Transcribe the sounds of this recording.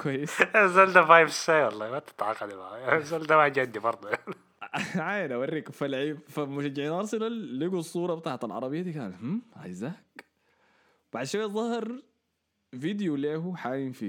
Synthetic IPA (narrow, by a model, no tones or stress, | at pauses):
kwajːɪsazald̪afajfsajwɑlˤːɑːwat̪ɪ̥t̪ʕɑ̰ːqɑlimaʕzald̪amad͡ʒad̪ːibɑɾˤd̪ˤujan | ʕaːjnawarːiːkfalʕiːbfamʊʃad͡ʒːɪʕiːnʔɑɾˤsˤɨlalːiɡusˤːuːɾˤɑbɪt̪aːʕt̪alʕɑ̰ɾˤɑbɪjːad̪iːkaːnt̪h̩ʕa̰jzaːk | b̥aʕd̪ʃawazˤɑhɑɾˤ | vid̪juleːhuħaːjinfḭ